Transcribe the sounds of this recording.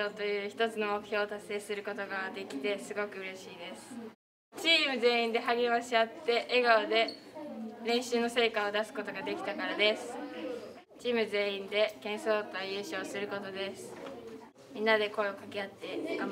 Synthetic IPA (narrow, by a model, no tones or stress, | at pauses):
o̞ːt̪o̞jɯ̟ːçi̥t̪o̞t͡sɨno̞mo̞kɯ̟̥ço̞ːt̪asːe̞ːsɨɾɯ̟ko̞t̪o̞ɡad̪e̞kʲi̥t̪e̞sɨɡo̞kɯ̟ɯ̟ɾe̞ɕiːd̪e̞sɨ̥ | t͡ɕiːmɯ̟ze̞ːĩnd̪e̞ɦaɡʲemaɕiat̪ːe̞ʔːɡaod̪e̞ | ɾẽ̞ɰ̃ɕɨːno̞se̞ːkaod̪asɨ̥ko̞t̪o̞ɡad̪e̞kʲi̥t̪akaɾad̪e̞sɨ̥ | t͡ɕiːmɯ̟ze̞ːĩnd̪e̞kẽ̞ɰ̃so̞ːt̪ajɯ̟ːɕo̞ːsɨɾɯ̟ko̞t̪o̞d̪e̞sɨ̥ | mʲĩnːad̪e̞ko̞eokakʲeat̪ːe̞ɡam